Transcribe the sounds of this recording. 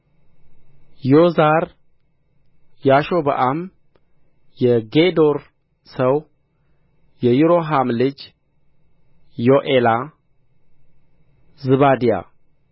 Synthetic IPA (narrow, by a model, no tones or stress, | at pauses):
jozaɾ | jaʃo̞bə̰ʔam | jɛɡed̪o̞ɾ | səw | jɛjuɾo̞ɦamlɨd͡ʒ | joʔela | zɨβad̪ija̰